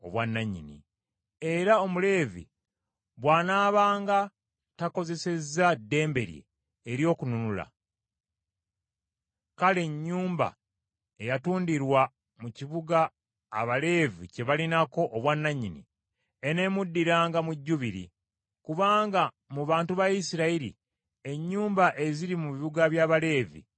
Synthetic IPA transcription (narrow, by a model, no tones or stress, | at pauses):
o̞̰βwanːaɲːḭnḭ | e̞ɾao̞mule̞ːvḭ | βwaːnaːβaːŋɡa | tako̞ze̞se̞zadːe̞ːmbe̞ɾjḛː | ɾjo̞ːkununula̰ | kale̞ɲːuːmba̰ | e̞jatuːndiɾwa | muciβuɡaː | βale̞ːvḭce̞βalinako̞ʔːβwanːaɲinḭ | ene̞ːmudːiɾaːŋɡamuɟːuβiɾḭ | kuβaːŋɡa | muβaːntuβajisiɾaiɾḭ | e̞ɲːuːmbaʔe̞ziɾimuβiβuɡaβjaːβale̞ːvḭ